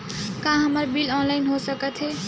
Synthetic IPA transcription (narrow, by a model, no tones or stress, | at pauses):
kãɦəməɾbilɔnlaɪnɦosəkət̪ʰɦe